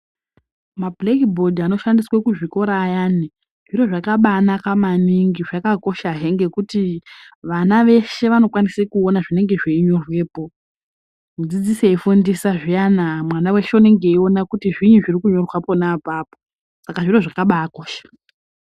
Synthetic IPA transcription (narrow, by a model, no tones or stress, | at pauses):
mablekibʱo̞dʱano̞ʃandiswakuʐiko̞ɾaːjani | ʐ̥iro̞ʐakaɓanakamaniŋɡiʐakako̞ʃaɦe̞ŋɡekutiʋanaʋe̞ʃe̞ʋano̞kwanisekuonaʐine̞ŋɡe̞ʐeiɲo̞rwe̞ːpo̞ | mud͡zid͡ziseifundisaʐijanamwanawe̞ʃeune̞ŋɡe̞io̞nakutiʐiɲuʐirikuɲo̞rwapo̞napaːpo̥ | sakaʐiro̞ʐakaɓaːkoːʃḁ